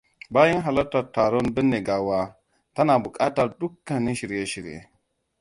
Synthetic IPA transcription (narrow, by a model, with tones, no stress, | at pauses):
ba˦ji˦nɦa˨la˦tːa˨ta˨ɾo˦nbə˦nːe˨ɡa˨wa˦ | ta˦na˨bu˨kʼa˦ta˨ɾdu˦kːa˨nːi˦ʃi˨ɾje˦ʃi˨ɾ̰jḛ˨